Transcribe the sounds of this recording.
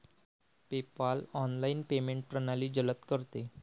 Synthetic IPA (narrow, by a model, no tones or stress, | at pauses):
pepalɔnlainpemeɳʈ̚pɾənaliːd͡ʑələt̪kəɾt̪e